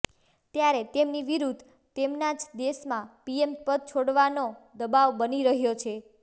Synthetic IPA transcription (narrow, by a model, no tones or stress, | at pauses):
t̪jaɾet̪emniʋiɾud̪ʱ | t̪emnad͡ʒd̪eʃmãpiempəd̪̚t͡ʃʰoɽʋanod̪əbaʋbəniɾəɦjot͡ʃʰe